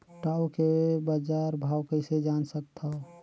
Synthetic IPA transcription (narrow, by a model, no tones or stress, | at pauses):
ʈaːukebəd͡ʒaɾbʱaːwkəɪsed͡ʒaːnsək̚t̪ʰa